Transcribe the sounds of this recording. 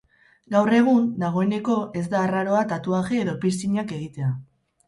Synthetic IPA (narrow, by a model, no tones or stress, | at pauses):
ɡawre̞ɣ̞und̪aɣ̞o̞e̞ne̞ko̞e̞zd̪aːraɾo̞at̪at̪uaɣeeːðo̞pisiɲake̞ɣ̞it̪e̞a